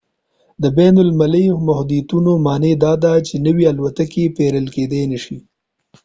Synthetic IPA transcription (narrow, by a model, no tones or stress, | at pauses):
d̪əbenʊlmalijmʊɦd̪it̪unomɑːned̪ɑd̪at͡ʃenəwialwat̪akepeɾəlked̪enəʃi